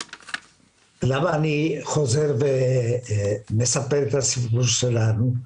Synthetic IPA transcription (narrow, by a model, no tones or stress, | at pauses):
laβanixozeɾβe | mesapeɾt̪asiɣuselaɾu